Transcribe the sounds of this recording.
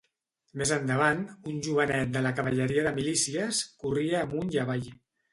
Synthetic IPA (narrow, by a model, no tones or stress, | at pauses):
mezənd̪əβanunʲʒuβənɛt̪̚d̪ələkəβəʎəɾiəðəmilisiəskuriəːmunjaβ̞aj